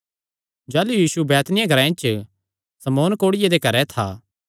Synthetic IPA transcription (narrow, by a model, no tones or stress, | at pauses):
d͡ʒɛːlujiːsubɛːt̪nɪjãɡʱɐɾãɪ̃nt͡ʃ | sɐmoːnkoːɽɪjed̪ekɐɾɛt̪ʰa̰ː